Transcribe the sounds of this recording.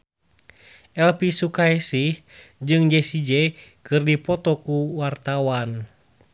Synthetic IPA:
ɛlpisukaɛsih | d͡ʒɨŋd͡ʒɛsid͡ʒɛkɨrdipɔt̪ɔkuwart̪awan

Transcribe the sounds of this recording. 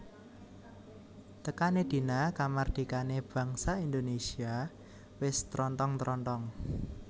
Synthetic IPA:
t̪əkaned̪̥i̤nakamard̪̥i̤kaneb̥ä̤ŋsaind̪onesia | wɪst̪ɾɔnt̪ɔŋt̪ɾɔnt̪ɔŋ

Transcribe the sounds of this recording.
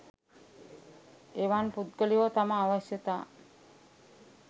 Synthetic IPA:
eʋanput̪̚ɡəliot̪amaːʋəʃjət̪a

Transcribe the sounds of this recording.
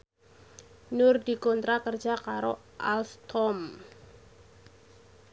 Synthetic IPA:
nʊrdikɔnt̪ɾakərd͡ʒakaɾo | ʔalst̪ʰɔm

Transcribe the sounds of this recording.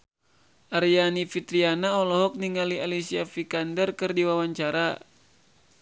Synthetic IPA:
ʔaɾijanifit̪ɾianaɔlɔɦɔk̚niŋalialisiafikandərkɨrdiwawaɲt͡ʃaɾa

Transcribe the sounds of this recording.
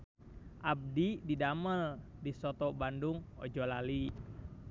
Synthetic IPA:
ʔab̚dididaməl | disɔt̪ɔbanduŋɔ̰d͡ʒɔlali

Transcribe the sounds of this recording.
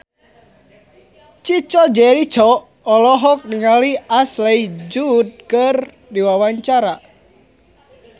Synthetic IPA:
t͡ʃit͡ʃɔd͡ʒɛɾi̥t͡ʃɔː | lɔɦɔk̚niŋaliasleid͡ʒud̚kər | diwawaɲt͡ʃaɾa

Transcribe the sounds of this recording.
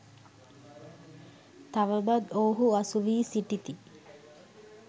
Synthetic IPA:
t̪aʋəbad̪oːɦuasuʋiːsiʈit̪i

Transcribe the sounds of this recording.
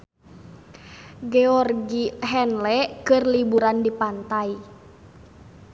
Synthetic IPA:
ɡɛɔrɡiɦɛnlɛkɨrlibuɾandipant̪ai

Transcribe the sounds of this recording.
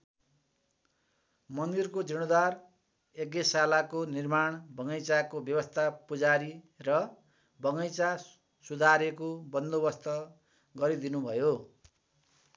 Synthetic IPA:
mʌnd̪irkod͡zʌɽ̃od̪ar | ekesalakonirmaɳ̃bʱʌŋʌjt͡sakobjʌbʌst̪ʰapud͡zaɾi | rʌ | bʱʌŋʌjt͡sa | sud̪ʱaɾekobʌnd̪obʌst̪ʌ | ɡʌɾid̪inubʱʌjo

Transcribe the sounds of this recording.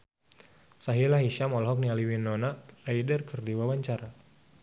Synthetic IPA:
saɦilahɦiʃamɔlɦɔk̚nialiwinɔnalaidərkərdiwawaɲt͡ʃaɾa

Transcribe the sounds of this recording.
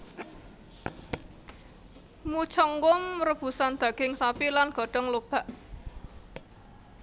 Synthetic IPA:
mut͡ʃɔŋɡʊmrəb̥ṳsand̪̥a̤ɡ̥ɪŋsapilanɡ̥ɔ̤ɖ̥ɔŋlob̥a̤ʔ

